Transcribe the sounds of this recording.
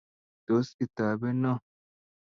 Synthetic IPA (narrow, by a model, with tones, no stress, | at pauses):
d̪̥oː˨˦sɪ˨t̪ːaː˨bɛ˦nːɐ˦